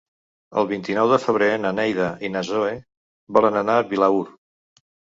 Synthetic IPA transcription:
ə̰lˠβint̪inɔwðəfəβ̞ɾenənɛjðəʔinəzoe | βɔlənənaːβilauɾ

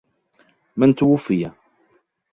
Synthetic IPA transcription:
mænt̪ːwufijæ

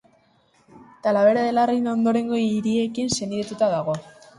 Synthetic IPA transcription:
t̪alaβe̞ɾaðe̞larijnao̞nd̪o̞ɾe̞ŋɡo̞iɾie̞kinse̞niðet̪ut̪aðaɣ̞o̞

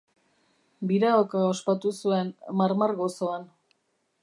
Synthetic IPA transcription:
biɾaokaospat̪usue̞nmaɾmarɣo̞so̞an

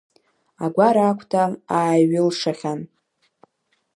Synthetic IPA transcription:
aɡʷaɾaːkʷʰʼtʰaaːɥɪlʂaχʲan

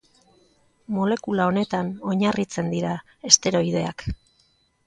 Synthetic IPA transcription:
mo̞le̞kulao̞ne̞t̪ano̞ɲarit͡se̞nd̪iɾa | e̞st̪e̞ɾo̞ið̞e̞ak

